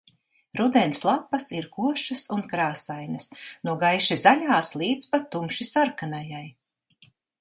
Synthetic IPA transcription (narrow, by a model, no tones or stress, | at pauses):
ɾud̪ɛnslˠapːɐsiɾkuɔʃɐsunkɾaːsajnɐsnuɔɡajʃizaʎʲaːslˠiːd̪spat̪ːumʃisaɾkanajaj